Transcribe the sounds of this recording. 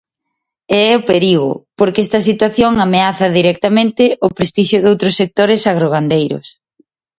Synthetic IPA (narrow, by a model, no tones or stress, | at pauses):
ɛɛopeɾiɣʊ̰poɾkeɛst̪ɐsit̪waθjoŋameaθɐðiɾɛk̚t̪amẽnt̪ɪʔʊpɾest̪iʃjʊðowt̪ɾʊsːek̚t̪oɾesaɣ̞ɾoɣ̞and̪ejɾʊ̰s